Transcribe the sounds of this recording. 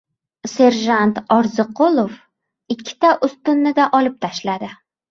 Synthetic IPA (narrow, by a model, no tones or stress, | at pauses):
se̞ɾʒant̪ɒɾzɨqʰolˠof | ɪkʲʰːɪ̥t̪ʰaʔʊst̪ʊnːɪd̪aʔɒlɪp̚t̪ʰaʃlad̪ɪ